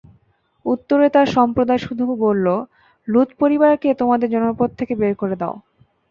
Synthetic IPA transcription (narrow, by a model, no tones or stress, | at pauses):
ut̪ːoɾet̪aɾʃɔmpɾod̪aeʃud̪ʱubolːo | lut̪poɾibaɾket̪omad̪eɾd͡ʑɔnoɾpod̪̚t̪ʰːekebeɾkoɾed̪ao